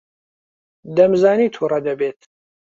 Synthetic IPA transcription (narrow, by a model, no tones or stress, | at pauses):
d̪ɐmzaːniːt̪ʰuːrɐd̪ɐbeːt̪